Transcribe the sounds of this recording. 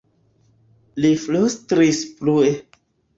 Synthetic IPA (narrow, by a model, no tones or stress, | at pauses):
liflustɾisplue